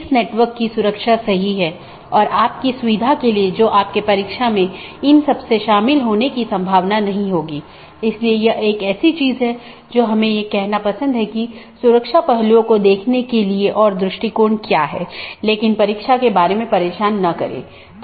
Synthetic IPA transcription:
ɪsneːʈʋəɾkːisʊɾəkʃasɐɦiɦɛː | ɔːɾʔaːp̚kisʊʋid̪ʱakelied͡ʒoːʔaːp̚kepɐɾikʃamẽɪnsɐbseʃaːmɪlɦoːnekisɐ̃mbʱaːʋnanɐɦĩɦoːɡiː | ɪsliejɐʔeːkɛːsit͡ʃiːzɦɛ | d͡ʒoːɦɐmẽjekɛɦnapɐsə̃nd̪ɦɛkisʊɾəkʃapɐɦluõkod̪eːkʰnekelieʔɔːɾd̪ɾʊʃʈikoːɾɳkjaːɦɛ̰ːleːkɪnpɐɾiːkʃakebaːɾemẽpɐɾeːʃaːnːɐkɐ̰ɾḛː | t̪ː

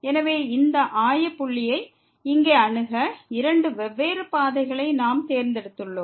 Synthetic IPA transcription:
ɛnɐʋeːɪnd̪ɐʔaːjɐpːʊɭːɪjɐɪ | ɪŋɡeːɐɳɯɣɐɪɾɐɳɖɯʋɛʋːeːɾɯpaːðɐɪɣɐɭɐɪnaːmt̪eːɾnd̪ɛɽɯt̪ːɯɭːõː

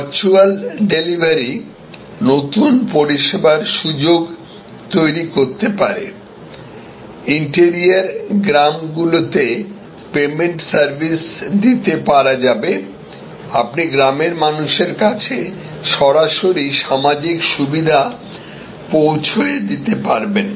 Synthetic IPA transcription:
ɾt͡ɕualɖelibʱaɾi | not̪unpoɾiʃebaɾʃud͡ʑoɡ | t̪ojɾikoɾt̪epaɾḛ | iɳʈeɾiaɾɡɾamɡulot̪e | pemeɳʈsaɾbʱisd̪it̪epaɾad͡ʑabe | apniɡɾameɾmanuʃeɾkat͡ɕʰe | ʃɔɾaʃoɾiʃamad͡ʑikʃubid̪ʱa | powt͡ɕʰoed̪it̪epaɾben

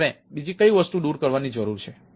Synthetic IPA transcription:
ɾẽbid͡ʒikəiʋəst̪ũɗuɾkəɾʋanid͡ʒəɾuɾt͡ʃʰe

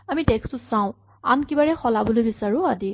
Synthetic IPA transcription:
amitɛkstʊsaʊ̃ | a̰nkibaɹɛxɔlabolojbisaɹʊ̃adi

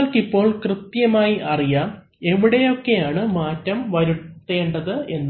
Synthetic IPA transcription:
lkipːo̞ːɭkrɨt̪jɐmaːjiʔɐrijaː | e̞ʋiɽe̞jo̞kːe̞jaːɳɨmaːtːɐmʋɐɾuːe̞ːɳɖɐðɨe̞nː

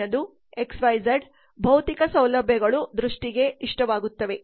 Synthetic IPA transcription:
ɐd̪u | eksʋɐjd͡ʒɐɾɖ | bʱɐwt̪ikɐsɐwlɐbʱjɐɡɐɭud̪ɾuʂʈiɡe̞iʂʈɐʋaːɡut̪ːɐʋe̞

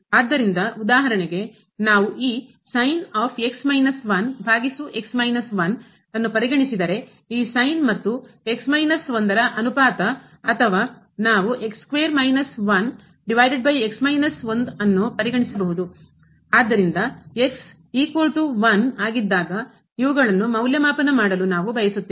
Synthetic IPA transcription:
aːd̪ːɐɾind̪ɐud̪aːɦɐɾɐɳeɡe | naːʋuʔiː | sɐjnaːpʰe̞ksmɐjnɐsʋɐnbʱaːɡisuʔe̞ksmɐjnɐsʋɐn | ɐnːupɐɾiɡɐɳisid̪ɐɾe̞ | iːsɐjnmɐt̪ːue̞ksmɐjnɐsʋɐnd̪ɐɾɐʔɐnupaːt̪ɐː | t̪ʰɐʋaː | naːʋuʔe̞kskʋeːɐɾmɐjnɐsʋɐn | ɖiʋɐjɖeɖ̚bɐje̞ksmɐjnɐsʋond̪ɐnːupɐɾiɡɐɳisɐbɐɦud̪u | aːd̪ːɐɾind̪ɐe̞ks | iːkʋɐlʈuʋɐnaːɡid̪ːaːɡɐ | iʋuɡɐɭɐnːumɐwljɐmaːpɐnɐmaːɽɐlunaːʋubʱɐjɐsut̪ːi

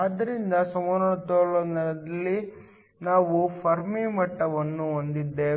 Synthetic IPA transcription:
d̪ːɐɾind̪ɐsɐmɐɾɐt̪ɔɭɐnɐlɐd̪ɐlːi | naːʋupʰɐɾmimɐʈːɐʋɐnːuond̪id̪ːeː

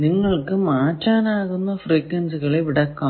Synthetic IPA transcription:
nɪŋɡɐɭɯkːɯmaːʈːaːnaːɣɯnːɐfɾiːkːɐnsɯɣɐɭɐɪʋɪɽɐkːɐ̃

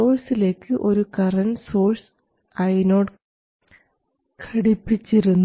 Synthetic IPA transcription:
oːrsile̞ːkːɨʔo̞ɾukɐrɐnso̞ːrs | ɐjno̞ːɽ | kʰɐɽipːit͡ɕːiɾunː

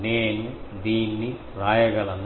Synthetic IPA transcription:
neːnud̪iːnːi | ɾaːjɐɡɐlɐnː

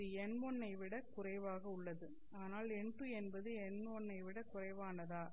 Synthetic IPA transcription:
ɯɛnmɔnːɐɪʋɪɽɐkʊrɐɪʋaːɣɐʊɭːɐðɯ | aːnaːlɛɳɖrɯɛnbɐðɯɛnɔnːɐɪʋɪɽɐkʊrɐɪʋaːnɐðaː

